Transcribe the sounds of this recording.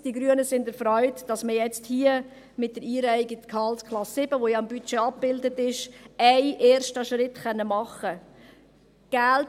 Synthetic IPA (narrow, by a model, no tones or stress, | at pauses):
d̥iɡɾyənəsɪndəɾfɾɔʏtd̥ɑsməjɛt͡sthiːə | mɪt̚dəɾiːɾæɪɡikʰɑlskʰlɑsːɪbəʋojɑɑmbyt͡ʃeɑp̚b̥ɪldətɪʃæɪʔeːɾʃtəʃɾɪtχœnːəmɑχə | ɡ̥ælt